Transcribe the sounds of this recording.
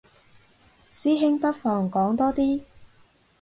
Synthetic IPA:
siː˥ɦɪ˥ŋpɐ˥t̚fɔː˨˧ŋkɔː˨˥ŋt̪ɔː˥t̪iː˥

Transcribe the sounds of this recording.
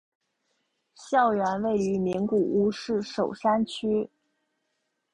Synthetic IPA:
ɕjɑ˥˩ʊɥɛ˧˥nwe˥˩ɪy˧˥mi˧˥ŋku˨˩u˧˥ʂɻ̩˥˩ʂo˨˩ʊʂa˥nt͡ɕʰy˥

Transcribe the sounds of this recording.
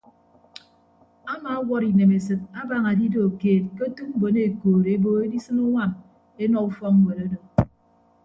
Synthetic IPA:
a˦ma˨a˦wʷɔ˦ɾi˨ne˨me˨sɨ˨t̚a˦ba˨ŋa˨di˦do˨keː˨t̚ke˦tu˦m̩˦bo˨ne˨koː˨ɾe˦bo˨e˦di˦sɨ˦nu˦wa˦˨m | e˦nɔ˨u˦fɔ˦kŋ̩˦we˨ɾo˦do˨

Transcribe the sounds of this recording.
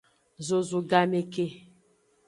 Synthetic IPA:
zo˨zu˨ɡa˨me˨ke˦

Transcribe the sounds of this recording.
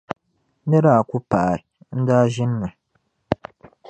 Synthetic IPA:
nɨ˦ɾa˦a˨ku˦pa˨a˨ɾ | n̩˦daː˦ʒɪ˦nː˦ɨ˨

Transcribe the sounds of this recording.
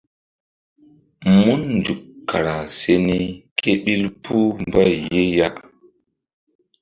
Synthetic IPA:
mu˦nnd͡ʒu˨kːa˨ɾa˨se˦ni˦kʰe˦ɓi˦lpʰu˦m˨ba˦˨je˦ja˦ʔ

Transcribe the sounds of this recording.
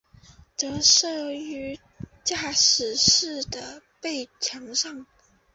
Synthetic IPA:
t͡sɤ˧˥ʂɤ˥˩y˧˥ | t͡ɕja˥˩ʂɻ̩˨˩ʂɻ̩˥˩d̪ə˩ | pe˥˩ɪt͡ɕʰjɑ˧˥ŋʂɑ˥˩ŋ

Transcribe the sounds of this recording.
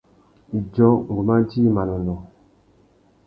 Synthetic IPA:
d͡ʒɔ̃˦ŋ˨ɡu˨ma˦ti˦ma˨nɔ˨ndɔ˨

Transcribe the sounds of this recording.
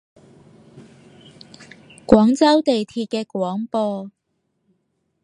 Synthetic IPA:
kwɔː˨˥ŋt͡sɐ˥wt̪e˨jt̪ʰiː˧t̚kɛː˧kwɔː˨˥ŋpɔː˧

